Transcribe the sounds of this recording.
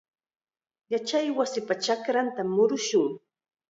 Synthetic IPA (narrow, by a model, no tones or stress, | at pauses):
jat͡ʃajwasɪpat͡ʃakɾant̪amːʊɾʊʃʊŋ